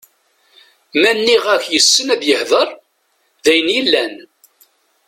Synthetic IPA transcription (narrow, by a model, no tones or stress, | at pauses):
mænːiʁæçjəsːənæðjəhðˤəɾˤ | ðæjənjilːæn